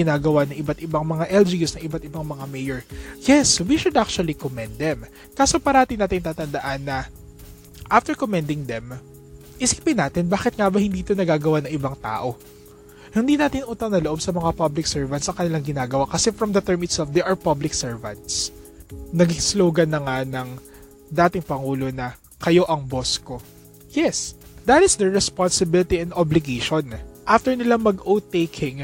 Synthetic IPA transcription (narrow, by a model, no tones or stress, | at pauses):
ɪnaːɡɐwanɐŋʔɪbat̪ʔɪbaŋmɐŋaʔɛld͡ʒijusnɐŋʔɪbat̪̚ɪbaŋmɐŋamɛjɛɹjɛswiʃʊd̪ʔak̚t͡ʃʊɐlikomɛ̃nd̪̚d̪ɛm | kaːso̞pɐɾaat̪ɪnaːt̪ɪŋt̪aːt̪ɐnd̪ɐʔanːɐ | ʔaft̪ɛɹkomɛnd̪ɪŋd̪ɛm | ʔɪsi̥ːpɪnːaːt̪ɪnbaːkɪt̪̚ŋabɐhɪnd̪iːt̪onɐɡaːɡɐwanɐŋʔɪbaŋt̪a̰ːʔo̞ | hɪnd̪iːnaːt̪ɪnʔuːt̪ɐwnɐloʔo̞bsɐmɐŋapɐblɪksɛɹvɐnt̪sʔɐŋkɐnɪlaŋɡɪnaːɡɐwakɐsɛfɹɐmd̪ɐt̪ɛɹmɪt̪sɛlfd̪ɛɹʔɐɹpɐblɪksɛɹvɐ̰̃nt̪s | nɐɡisloːɡɐnːɐŋanɐŋ | d̪aːt̪ɪŋpɐŋuːlo̞nɐ | kɐjo̞ʔɐŋbosko̞ | jɛsd̪ɐt̪ɪsd̪ɛɹɛspɔnsɪbɪlɪt̪iɛnd̪ʔoblɪɡejʃonʔaft̪ɛɹnɪlamɐɡowt̪ekʰɪŋ